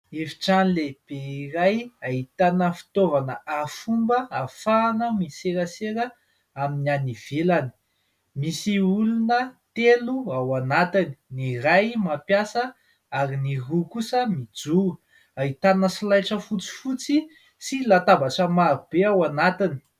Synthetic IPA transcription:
efi̥ʈ͡ʂanleb̥eirajaɦit̪anəfi̥t̪ovanəafumbəafanəmiseɾəseɾə | aminianiv̥elani̥ | misiulunət̪eluawanat̪ini̥nirajmapjasə | aɾiniɦukusəmid͡zu | aɦit̪anəsilajʈ͡ʂəfut͡si̥fut͡si | silat̪abaʈ͡ʂəmaɾub̥eawanat̪ini̥

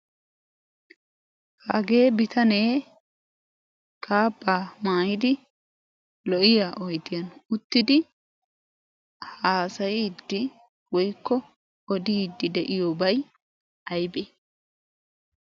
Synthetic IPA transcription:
haɡe̞ːbɪt̪ʰɐne̞ː | kʰaːbːaːmaːjɪd̪ɪ | lɔʔɪjaːʔɔjd̪ɪjɐnʊt̪ːɪd̪ɪ | haːsɐjid̪ːɪ | wɔjkːɔ | ɔd̪iːd̪ːɪd̪ɛʔɪjoːbɐj | ɐjbeː

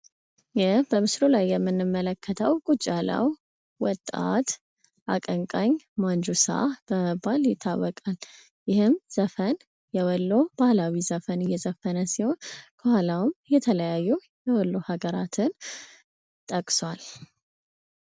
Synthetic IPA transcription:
jɪhbəmɨslulajːɛmːɨnːɨmːələkʰːət̪ʰəwkʼut͡ʃʼalə̰w | wɔt̪ʼːa̰t̪ | ʔakʼəŋkʼaɲmand͡ʒusa̰ʔab̥əbːaljɪt̪ʰːa̰wːɔkʼal | jɪhɨmz̥əfən | jɛwɔlːob̥ahlawizəfənɨjːɛzəfənəsiho̞nkʰəhʷalawmjɛt̪ʰələjajːu | jɛwɔlːohaɡəɾat̪ʰɨn | t̪ʼəkʼswal

